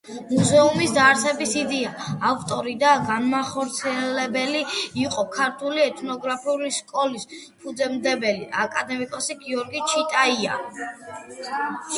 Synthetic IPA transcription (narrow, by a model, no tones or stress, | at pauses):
muzɛumisd̪aɾsɛbisid̪ɛaːft̪ʼɔɾid̪aɡanmaχɔɾt̪sʰiɛlɛbɛliiqʼɔkʰaɾt̪ʰuliɛt̪ʼʰnɔɡɾapʰiuliskʼɔlis | pʰud̪zɛmd̪ɛbɛlḭʔakʼad̪ɛmikʼɔsiɡiɔɾɡit͡ʃʰit̪ʼaia̰